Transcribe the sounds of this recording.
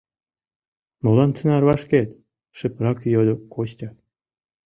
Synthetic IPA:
molɑnt͡s̪ʰə̆nɑrβɑʃket̪ʲ | ʃɘ̆prɑkjolʲŏkoɕt̪ʲɑ

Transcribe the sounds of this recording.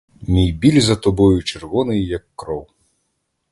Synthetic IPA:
mʲijbʲilʲzɐt̪ɔbɔjut͡ʃɛrvɔnɨjjɐkːɾɔw

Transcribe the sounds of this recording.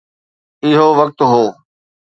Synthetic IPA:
ɪɦoːʋək̚t̪ɦoː

